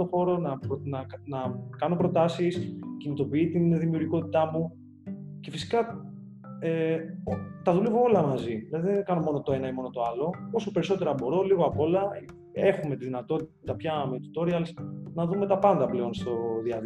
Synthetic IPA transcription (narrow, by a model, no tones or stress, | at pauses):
oxo̞ɾo̞nɐpnɐnɐkɐno̞pɾo̞t̪ɐsiscinit̪o̞piit̪inðimiuɾʝiko̞t̪i̥t̪ɐmu | ce̞fisi̥kɐ | eot̪ɐðulevoo̞lɐmɐziðilɐðiðenkɐno̞mo̞no̞t̪oe̞nɐimo̞no̞t̪o̞ɐlo̞o̞so̞pe̞ɾiso̞t̪e̞ɾɐbo̞ɾo̞liɣoɐpo̞lɐ | e̞xume̞t̪iðinɐt̪o̞t̪it̪ɐpçɐmet̪u̥t̪o̞ɾiɐlsnɐðume̞t̪ɐpɐnd̪ɐple̞o̞nst̪o̞ðiɐð